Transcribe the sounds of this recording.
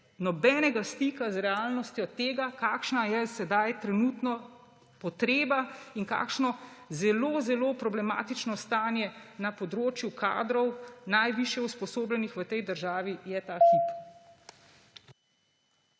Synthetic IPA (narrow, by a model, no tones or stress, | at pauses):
nɔbɛːnɛɡast̪iːkazɾɛaːlnɔst̪jɔt̪eːɡakaːkʃnajɛsɛd̪ajt̪ɾɛnuːt̪nɔ | pɔt̪ɾeːbainka̰ːkʃnɔzɛloːzɛloːpɾɔblɛma̰ːt̪it͡ʃnɔst̪aːnjɛnapɔd̪ɾoːt͡ʃjukʰa̰ːd̪ɾɔwnajʋiʃjɛuspɔsoːblʲɛnixʋət̪ɛjd̪əɾʒaːʋijɛt̪aːxip